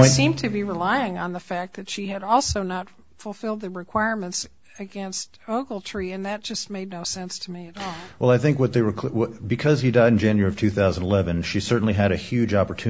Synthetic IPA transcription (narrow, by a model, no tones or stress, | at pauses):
sĩmtʰɨbiɹɪlaɪɪ̃ŋə̃nðəfæk̚ðɨtʃiɨɾɔlˠsoʊnət | fl̩ˠfɪlˠd̪̚ðɨɹɨkʰw̥aɪɹmɨ̃nts | ɨɡɛ̃nst | oʊɡl̩ˠtʰɹ̥iɨ̃nðɨt̚d̥ʒ̥ʌstmeɪdⁿnoʊsɛ̃nstʰɨmiɨɾɔlˠwʔɛlˠaɪθɪ̃ŋkwʌt̪̚ðeɪɹə˞kʰwʌbɨkʰʌz̥idaɪɾn̩d͡ʒæ̃njə˞ɹiʌv̥tʰʉθaʊz̃n̩ɪlɛvɨ̃nʃisɜ˞ʔn̩liɨɾɨhjʉd͡ʒɑpə˞tʰʉ